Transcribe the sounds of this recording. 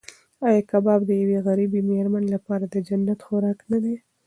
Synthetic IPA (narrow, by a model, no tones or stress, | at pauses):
ɑjɑkabɑbd̪əjaweɣaɾibimehɾmanelapɑɾad̪əd͡ʒanːat̪xoɾɑknad̪e